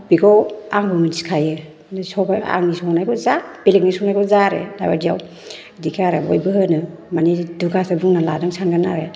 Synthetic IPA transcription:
biɡɔwaŋbɯmɯndiskʰajɯ | nsɔbaa̰ŋnisɔnajkʰɔzab̥elik̚nisɔwnajkɔzaɾḛda̰ba̰dijaw | dikʰaɾa̰bɔ̰jbɯɦɯnɯmaniduɡasabuŋnala̰dɯŋsʰanɡanːaɾe

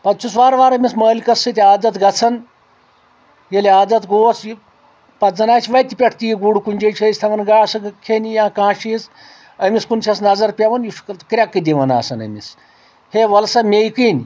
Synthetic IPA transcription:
pɐt̪t͡ʃʰusʋaːɾʋaːɾɐmisməːlʲkɐsːɨt̪ʲiaːd̪ɐt̪ɡɐt͡sʰɐn | jeliaːd̪ɐt̪ɡoːt͡s | pɐzɐnaːt͡ʃʰiʋɐjt̪ʲipʲeʈʰt̪ijɡuɽkunʲd͡ʒejt͡ʃʰɐsʲt̪ʰɐʋɐnɡaːsɐkʰenʲijãːkãːʃis | ɐmiskunsʰʲɐsnɐzɐɾpʲeʋɐnjuʂkɐt̪kɾʲakːɨd̪ʲiʋɐna̰ːsɐnɐ̰mis | heʋɐlsɐmʲejkinʲ

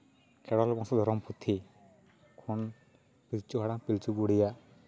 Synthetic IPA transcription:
kɛɽɔlbaŋsɔd̪ʱɔɾɔmpʰut̪ʰːi | kʰɔn | pilt͡ʃuɦaɽãŋpilt͡ʃuɡuɽija

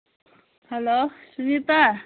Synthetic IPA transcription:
helosunit̪a

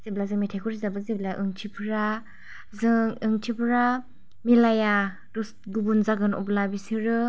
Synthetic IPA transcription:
z̥eblazɯŋmitʰajkʰuɾizabɯzeblaʔɯŋtʰipʰɾa | zɯŋɯŋtʰipʰɾa | milaja | dus | ɡubunzaɡɯnɔ̰blabisiɾɯ

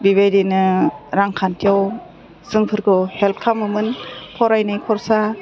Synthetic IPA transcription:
bibejdinɯɾaŋkʰantʰiɔw | sɯŋpʰɯɾkʰɯhelp̚kʰamɯmɯnpʰɔɾajnɯjkʰɔɾsa

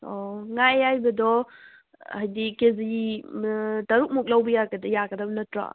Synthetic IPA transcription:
ɔŋajajbɐdɔ | ajdikezi | tɐɾuk̚muk̚lawbɐjaɾɡɐdɐjaɡɐdɐbɐnɐtɾa̰

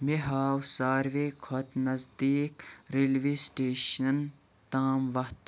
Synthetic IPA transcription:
meɦaːwsaːɾʋekʰot̪nɐzd̪iːkɾilʋiːsʈeːʃɐn | t̪aːmʋɐht̪

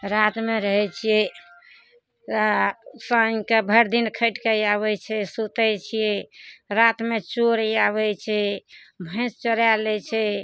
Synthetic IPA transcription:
ɾat̪meɾəɦɛt͡ʃʰijɛ | səŋkebʱəɾd̪inkʰəɪʈkejaβɛt͡ʃʰɛsut̪ɛt͡ʃʰijɛɾat̪met͡ʃoɾjaβɛt͡ʃʰɛ | bʱə̃ɪ̃st͡ʃəɾjalɛt͡ʃʰɛ

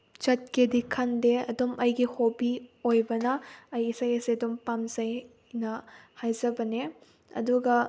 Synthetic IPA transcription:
t͡ʃɐt̚kedikʰɐndeɐdomɐjɡihobiojbɐnɐɐjisɐjɐsiɐdumpamzɐj | nɐhajzɐbɐne | ɐ̰duɡɐ

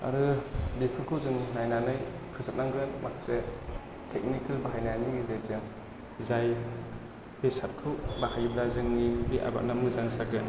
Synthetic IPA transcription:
a̰ɾɯbikʰɯkʰɯwzɯŋnajnanɯj | kʰɯsat̚naŋɡɯnmakse | tʰek̚nikʰalbaɦajnaniɡzezɯŋ | zaj | pesat̚kʰɯwbahajblazɯŋnibiʔa̰ba̰k̚namɯzaŋsaɡɯn

